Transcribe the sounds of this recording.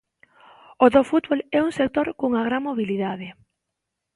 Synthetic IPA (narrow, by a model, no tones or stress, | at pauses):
oðofut̪̚βolɛuŋsek̚t̪oɾkoŋaɣɾaŋmoβiliðaðɪ